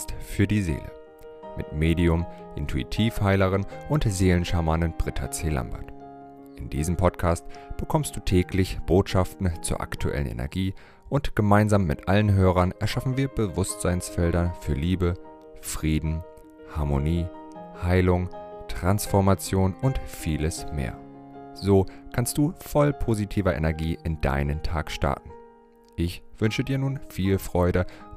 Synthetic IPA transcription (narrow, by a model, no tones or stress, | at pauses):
tfyːɐdiːzḛːlə̰ | mɪ̰tmeːdiʊm | ʔɪ̰ntʰuḭtʰiːfhaɪləʁənʔʊntzeːlənʃamanənb̥ʁɪtʰa̰t͡seːla̰mba̰ɐt | ʔɪndḭːzəm̩pʰɔtkʰaːstb̥əkʰɔmst̚d̥uːtʰɛːklɪçb̥oːtʃaftn̩t͡suːɐʔa̰ktʰuʔɛ̰lə̰nʔḛnɛ̰ɐɡiː | ʔʊntɡ̥əmaɪnzaːmːɪ̰tʔalənɦøːʁɐnɛɐʃafn̩viːɐbəvʊstz̥aɪnsfɛldɐfyːɐliːbə | fʁ̥iːdn̩ | haɐmoniːhaɪlʊŋtʁ̥ansfɔɐmat͡sjoːnʊntfiːləsmḛːɐzoːkʰanst̚d̥uːfɔlpʰozitʰiːvɐʔḛnɛɐɡiːʔɪnd̥a̰ɪnəntʰa̰ːkʃta̰ɐtn̩ | ʔɪçv̥ʏnʃədiːɐnuːnfiːlfʁ̥ɔʏdə